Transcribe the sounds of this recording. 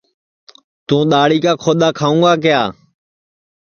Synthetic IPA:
t̪ũːɗ̪aːɽiːkaːkʰoːɗ̪aːkʰaːũːɡaːk̬ɪjaː

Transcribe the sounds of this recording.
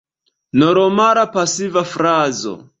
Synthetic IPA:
noɾomaɾapasivafɾazo̰

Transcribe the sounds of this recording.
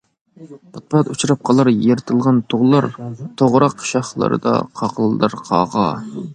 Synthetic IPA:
pʰɑt̪̚pɑt̪ut͡ʃʰuɾɑp̚qʰɑlˠɑɾjeɾɨt̪ʰɨlˠʁɑnt̪ʰoʁlˠɑɾt̪ʰoʁɾɑqʃɑχlˠɨ̰ɾɨ̰d̪ɑ̰qʰɑqʰəlˠd̪ɨɾqʰɑ̰ːʁɑ

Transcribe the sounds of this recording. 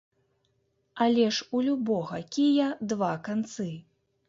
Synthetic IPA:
alʲɛʂulʲubɔɣɐkʲijɐd̪vakant̪sɨ

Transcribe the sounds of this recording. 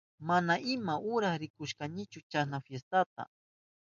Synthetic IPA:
manaʔɪmaʔʊɾaχɾɪkʊʃkanɪt͡ʃʊt͡ʃasnafjest̪at̪a̰

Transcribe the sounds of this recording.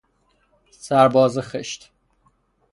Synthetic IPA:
sæɾbɒːzexeʃt̪

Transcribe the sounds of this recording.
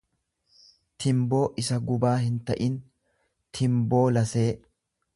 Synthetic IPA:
t̪ʰɪmbo̞ːʔɪsɐɡʊbaːhɪnt̪ɐʔɪn | t̪ʰɪmbo̞ːlɐse̞ː

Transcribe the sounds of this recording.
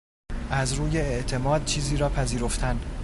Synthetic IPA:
ʔæzɾuːje̞eʔt̪ʰe̞mɒːd̪̥̚t͡ʃʰiːziːɾɒːpʰæziːɾo̞ft̪ʰæn

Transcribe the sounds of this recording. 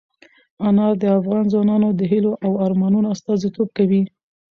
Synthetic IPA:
anɑd̪əafɣɑnzwɑnɑnod̪əɦiloʔawɑɾmɑnunoast̪ɑzit̪ob̚kawi

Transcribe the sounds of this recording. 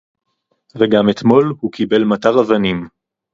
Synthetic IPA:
veɡamet̪mo̞lhukibe̞lmat̪aʁavanim

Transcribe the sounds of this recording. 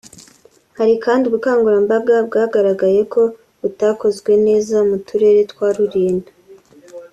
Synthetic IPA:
haɾikaːndiɡukaːŋɡuɾambab̚ɡab̚ɡaːɡaɾaɡaje̞kʰo̞ | utaːko̞zɡwe̞ne̞ːzamutuɾe̞ːɾe̞twaːɾuɾiːndḁ

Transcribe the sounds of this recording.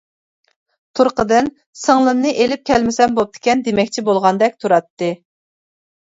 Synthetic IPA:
t̪ʰuɾqəd̪ɨn | səŋlˠɨmnɨʔelɪp̚kʲʰɛlmɪsɛmbop̚d̪ʰɪ̥kʲɛnd̪emɛkʲt͡ʃʰibolˠʁɑnd̪ɛkʲt̪ʰuɾɑt̪ːɨ

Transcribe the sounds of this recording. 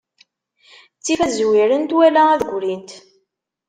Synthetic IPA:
t͡sːifæzwiɾənt̪wælææðəɡʷɾint̪

